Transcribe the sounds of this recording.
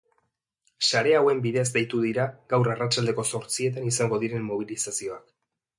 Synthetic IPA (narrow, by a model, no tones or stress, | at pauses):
saɾe̞awe̞mbiðe̞zd̪ejt̪uðiɾaɡawɾarat͡ʃald̪e̞ko̞so̞ɾt͡sie̞t̪̬anisaŋɡo̞ð̞iɾe̞mːo̞β̞ilisasio̞ak